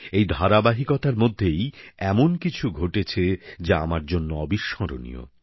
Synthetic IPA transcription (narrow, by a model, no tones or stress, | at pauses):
ejd̪ʱaɾabaɦikɔt̪aɾmod̪ʱːejɛmonkit͡ɕʰuɡʱoʈet͡ɕʰed͡ʑaamaɾd͡ʑonːoɔbiʃːɔɾo̰nḭo̰